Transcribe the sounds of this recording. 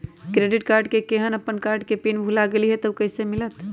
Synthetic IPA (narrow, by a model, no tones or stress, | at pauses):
kɾeɖiʈkaɾɖkekeɦənəpːənkaɾɖkepinbʱulaɡeliɦɛt̪əkəɦisemilət̪